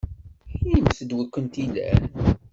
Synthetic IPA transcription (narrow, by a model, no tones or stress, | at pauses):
inimsəd̪wækːənt̪ilæ̰n